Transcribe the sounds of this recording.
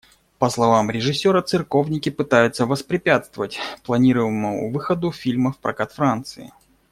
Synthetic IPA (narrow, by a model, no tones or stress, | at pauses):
pəslˠɐvamɾʲɪʐɨsʲːo̞ɾət̪sɨrko̞vnʲɪkʲɪpɨt̪ajʊt̪səvəspɾʲɪpʲat̪st̪vəvətʲplˠɐnʲiɾəvəməmʊ̰vɨxəd̪ʊfʲilʲməfpɾʔɐ̰kat̪fɾant̪sɨɪ̰